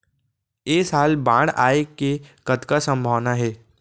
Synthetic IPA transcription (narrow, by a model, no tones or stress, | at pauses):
eːsaːlbãːɽaːekekəd̪kasə̃mbʱaʋnaɦɛː